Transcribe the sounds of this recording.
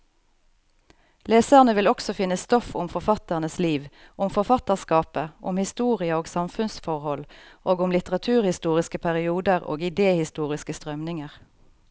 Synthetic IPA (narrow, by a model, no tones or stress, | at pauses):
leːsæʁnəʋɪlɔksɔfɪnːəst̪ɔfʊmfɔʁfɑt̪əʁnəsliːʋ | ʊmfɔʁfɑt̪əʁskɑːpəʔʊ̰mhɪst̪uːʁɪəoːɡsɑmfʉnsfɔʁhɔlʔoːɡʊmlɪt̪əʁɑt̪ʰʉːʁhɪst̪uːʁɪskəpʰæʁɪuːd̪əʁo̰ːɡɪd̪eːhɪst̪uːʁɪskəst̪ʁœmnɪŋəʁ